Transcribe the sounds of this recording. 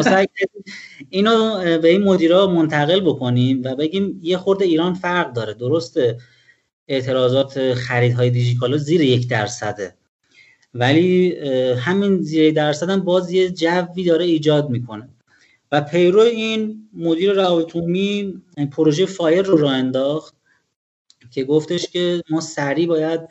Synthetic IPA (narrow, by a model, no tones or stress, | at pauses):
sæjʰæiiːnobe̞inmo̞d̪iːɾɒːmo̞nt̪ʰæɣe̞lbo̞kʰo̞nimvæbe̞ɟiːmje̞xo̞ɾd̪eiːɾɒːnfæɾɣd̪ɒːɾe̞d̪oɾo̞st̪e̞ | eʔt̪ʰe̞ɾɒːzɒːt̪ʰexæɾiːd̪ɦɒːje̞d̪id͡ʒit̪ʰɒːlɒziːɾejecʰd̪æɾsæd̪e | væli | ɦæminziːɾed̪æɾsæd̪æmbɒːzje̞d͡ʒævːiːd̪ɒːɾe̞iːd͡ʒɒːd̪miːkʰo̞ne̞ | væpʰe̞jɾoeiːnmo̞d̪iːɾeɾæɒbet̪ʰumipʰoɾo̞ʒejefɒːjelroɾɒːend̪ɒːxt̪̚ | cʰe̞ɡo̞ft̪ʰe̞ʃcʰʲe̞mɒːsæɾiːbɒːjæd̪̚